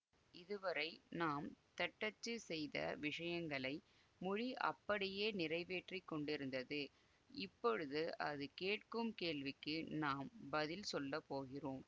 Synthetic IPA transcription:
ɪðɯʋɐɾɐɪnaːmt̪ɐʈːɐt͡ʃːɯsɛjðɐ̰ʋɪʂɐjɐŋɡɐɭɐɪ | mʊɻiʔɐ̰pːɐɽɪjeːnɪrɐɪʋeːʈrikːɔɳɖɪɾɯnd̪ɐðɯ | ɪpːɔɻɯðɯʔɐ̰ðɯkeːʈ̚kɯmkeːɭʋɪkːɯnaːmbɐðɪlsɔlːɐpoːɣɪroːm

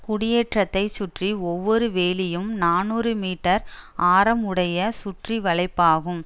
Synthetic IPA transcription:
kʊɽɪjeːʈrɐt̪ːɐɪt͡ʃʊʈriɔʋːɔɾɯʋeːlɪjɯmnaːnuːɾɯmiːʈːɐɾaːɾɐmɯɽɐjɐsʊʈriʋɐɭɐɪpːaːɣɯm

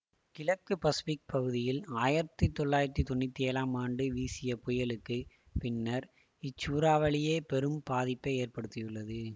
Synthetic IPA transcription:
kɪlɐkːɯpɐsɪpɪk̚pɐɣɯðɪjɪlaːjɪɾɐt̪ːit̪ːɔɭːaːjɪɾɐt̪ːit̪ɔɳːɪt̪ːieːlaːmaːɳɖɯʋiːsɪjɐpʊjɐɭɯkːɯ | pɪnːɐɾ | ɪt͡ʃːuːɾaːʋɐɭɪjeːpɛɾɯmpaːðɪpːɐeːrpɐɽɯt̪ːɪjɯɭːɐðɯ

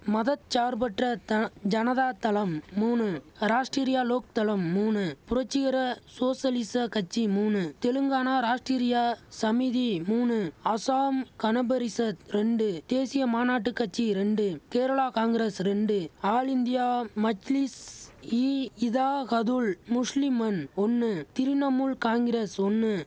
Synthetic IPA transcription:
mɐðɐt̪t͡ʃaːɾbɐʈrɐt̪d͡ʒɐnɐðaːt̪ɐlɐmːuːnɯɾaːʂʈɾiːɾɪjaːloːk̚t̪ɐlɐmːuːnɯpʊɾɐt͡ʃːɪɣɐɾɐsoːsɐlɪsɐkɐt͡ʃːimuːnɯt̪ɛlɯŋɡaːnaːɾaːʂʈɾiːɾɪjaːsɐmiðimuːnɯɐsaːmkɐnɐbɐɾɪsɐt̪ɾɛɳɖɯd̪̥eːsɪjɐmaːnaːʈːɯkːɐt͡ʃːiɾɛɳɖɯkeːɾɐɭaːkaːŋɡɪɾesɾɛɳɖɯaːɭɪnd̪ɪjaːmɐd͡ʒlisiːɪðaːɣɐðulmʊʂlɪmɐnɔnːɯt̪ɪɾɪnɐmuːlkaːŋɡɪɾesɔnːɯ

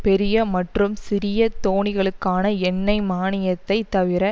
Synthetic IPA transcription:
pɛɾɪjɐmɐʈrɯmsɪɾɪjɐt̪ːoːɳɪɣɐɭɯkːaːnɐɛnːɐɪmaːnɪjɐt̪ːɐɪt̪ːɐʋɪɾɐ

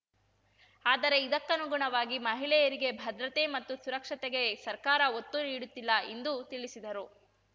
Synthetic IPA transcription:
aːd̪ɐɾe̞id̪ɐkːɐnuɡuɳɐʋaːɡimɐɦilɛjɐɾiɡe̞bʱɐd̪ɾɐt̪e̞mɐt̪ːusuɾɐkʂɐt̪eɡe̞sɐɾkaːɾɐot̪ːuniːɽut̪ːilːɐend̪ut̪iɭisid̪ɐɾu

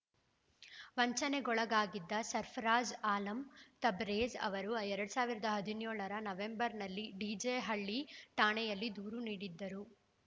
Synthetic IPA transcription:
ʋɐɲt͡ʃɐneɡɔɭɐɡaːɡid̪ːɐsɐɾpʰɐɾaːd͡ʒaːlɐmt̪ɐbɾeːd͡ʒɐ̰ʋɐɾuɛɾɐɽusaːʋiɾɐd̪ɐɦɐd̪injoːɭɐɾɐnɐʋembɐɾnɐlːiɖiːd͡ʒeɦɐɭːiʈaːɳɛjɐlːid̪uːɾuniːɽid̪ːɐɾu

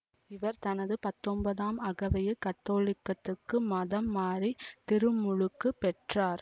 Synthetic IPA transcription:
ɪʋɐɾt̪ɐnɐðɯpɐt̪ːɔmbɐðaːmɐɣɐʋɐjɐkɐt̪ːoːlɪkːɐt̪ːɯkːɯmɐðɐmːaːɾit̪ɪɾɯmːʊɻɯkːɯpːɛʈraːɾ

